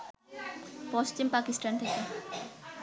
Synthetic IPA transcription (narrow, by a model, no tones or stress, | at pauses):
pɔstimpakisʈʰant̪ʰeke